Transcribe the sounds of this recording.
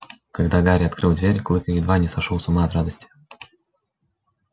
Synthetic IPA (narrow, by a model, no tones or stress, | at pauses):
kɐɡd̪aɡaɾʲɐt̪̚kɾɨlˠd̪vʲeɾʲklˠɨkəjɪd̪vanʲɪsɐʂolˠsʊmaɐt̪ɾad̪əsʲtʲɪ̥